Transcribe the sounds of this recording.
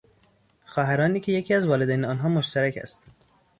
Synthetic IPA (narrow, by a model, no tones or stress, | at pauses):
xɒːɦæɾɒːniːcʰejecʰʲiːæzvɒːled̪æːjneɒːnɦɒːmoʃt̪æɾæcʰæ̰st̪